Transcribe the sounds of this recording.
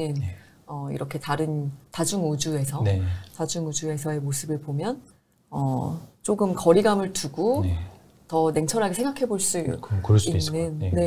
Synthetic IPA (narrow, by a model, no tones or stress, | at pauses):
in | ʌḭɾʌkʰe̞taɾɯntad͡ʑuŋud͡ʑue̞sʰʌntad͡ʑuŋud͡ʑue̞sʰʌe̞mosʰɯbɯɭpomjʌn | ʌt͡ɕ͈oɡɯmkʌɾiɡamɯɭtuɡo | tʌne̞ŋt͡ɕʰʌɾɦaɡesʰeŋɡakʰe̞boɭs͈uikɯɾʌsinːɯnːe̞